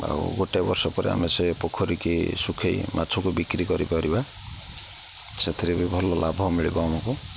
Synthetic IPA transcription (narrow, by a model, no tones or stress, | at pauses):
a̰ṵɡoʈebɔɾsɔpɔɾḭa̰mesepokʰɔɾikisukʰejmʔa̰t͡ʃʰɔkubikɾikɔɾikɔɾiba | set̪ʰiɾebibʱɔlɔlabʱɔmiɭibɔmɔku